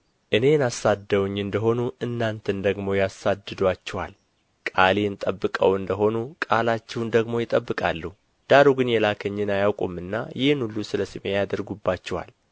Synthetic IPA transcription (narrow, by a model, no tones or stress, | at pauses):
ʔɨne̞nasad̪ːəwɲːɨnd̪əɦo̞nuʔɨnːant̪ʰənd̪əɡmo̞jasad̪ːɨd̪wat͡ʃːɛwa̰l | kʼaleɨnt̪ʼəbːɨkʼəwɨnd̪əɦo̞nukʼalat͡ʃːɛwnd̪əɡmo̞jɪt̪ʼəbːɨkʼa̰lːuh | d̪̥aɾuɡɨnjɛlakʰəɲːɨnajawkʼumːɨnːa̰jɪhnulːusɨləsɨmejad̪əɾɡubːat͡ʃːɛwa̰l